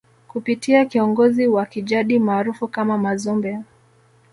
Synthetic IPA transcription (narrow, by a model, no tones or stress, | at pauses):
kupitiakiɔŋɡɔziwakiʄaɗimaːɾufukamamazɔmbɛa